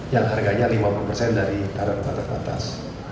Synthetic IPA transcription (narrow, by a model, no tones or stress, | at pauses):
jaŋɦarɡaɲalimapulupərsɛndaɾik̪aɾɔnpat̪aspa̰t̪a̰s